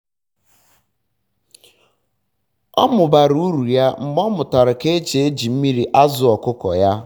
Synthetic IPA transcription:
ɔ̰˦mʊ˨ba˨ɾu˦u˦ɾu˨ja˦m̩˨m˦ɔ˦mʊ˨ta˨ɾʊ˨ke˦t͡ʃe˨e˦d͡ʒi˨m̩˦mi˦ɾi˨ʔa˦zʊ˨ɔ˨kʊ˦kɔ˨ja˦

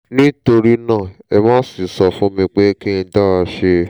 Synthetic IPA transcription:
nĩ˦to˧ɾi˦nãː˦˨ɛ˧mãː˦si˦˨sɔ˧fũ˦mĩ˧k͡pe˦ki˦nĩ˧da˦˨a˧ʃe˧

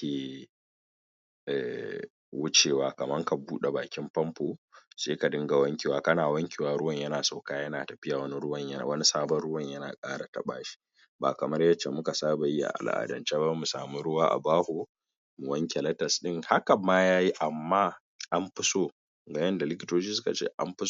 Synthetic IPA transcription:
kʲeː˨ | ʔɛ̰˨ | wʊ˦t͡ʃeː˨waː˨kɐ˨mɐ˦ŋka˨buː˦ɗe˨baː˨kʲɪ˦mpɐ˦mpoː˨seː˦ka˨dɪ˦ŋɡa˨wɐ˦ŋkʲeː˨waː˦kɐ˦naː˨wɐ˦ŋkʲeː˨waː˨ɾʊ˦wɐ˨ɲjɐ˦naː˨sa˨kaː˦jɐ˦naː˨tɐ˨ɸɪ˦ja˨wɐ˦ni˦ɽʊ˦wɐ˨ɲjwɐ˦ni˦saː˦bɐ˦nɽʊ˦wɐ˨ɲjɐ˦naː˨kʼaː˦ɽa˨tɐ̰˨ɓa̰ː˦ʃi̥˦ | baː˨kɐ˨mɐ˦rjɐ˦t͡ʃːe˨mʊ˦ka˨saː˦ba˨ji˦ʔa̰˨ʔa̰˨lʔa̰ː˨dɐ̰˨nt͡ʃe˦ba˦mu˨sa̰ː˨mi˦ɽʊ˦waː˦ʔa̰˨baː˦hoː˨ | mu˨wɐ˦ŋkʲe˨lɐ˦tɐ˨sɗɪ˦ŋha˦kɐ˨mːaː˦jaː˦ji˦ʔa˨mːaː˦ | ʔa˦mɸɪ˦soː˦ | ɡa˨˦jɐ˦nda˨lɪ˦kʲɪ̥˦toː˦d͡ʒiː˦sʊ˦ka̰˨t͡ʃḛː˦ʔa̰˦mɸɪ˦s

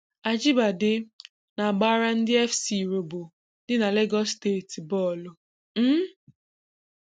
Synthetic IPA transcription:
a˨d͡ʒɪ˦ba˨dɪ˦ | na˨ɡ͡ba˦ɾa˦n̩˦dɪ˦ɛ˦fsi˨ɾo˨bo˨ | dɪ˦na˨le˦ɡɔ˦ste˦˨ti˨bɔ˦˨lʊ˨ | m̩˦

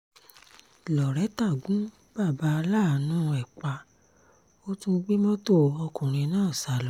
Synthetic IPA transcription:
lɔ˨ɾɛ˨˦ta˦˨ɡũ˨˦ | ba˦˨ba˨˦a˧laː˦˨˦nũː˦˧ɛ˨k͡pa˧ | o˦tũ˦ɡ͡bi˦mɔ̃˦to˦˨ɔ˧kũ˨ɾ̃ĩ˧nãː˦˨sa˨lɔ˨˦

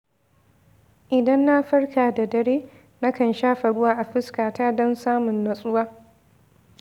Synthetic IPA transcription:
ʔɪ˨dɐ˦nːa˦ɸɐ˦rkaː˨da˨dɐ˨ɽeː˦ | na˦kɐ˨nʃaː˦ɸɐ˨ɽʊ˦waː˦ʔa˨ɸɪ˦skaː˨taː˦dɔ˦nsaː˦mʊ˨nːɐ˨sʼʊ˦waː˦

